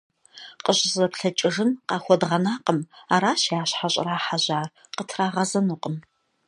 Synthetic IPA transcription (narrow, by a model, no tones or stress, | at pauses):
qəɕʼɪzʼɐpɬɐt͡ʃʼɪʐɨnqɑːxʷɔdʁɐnaːqəmaːɾaːɕjaːɕħaɕʼɪ̰raːħaʑaːr | qətʰraːʁɐzɐnuqʼəm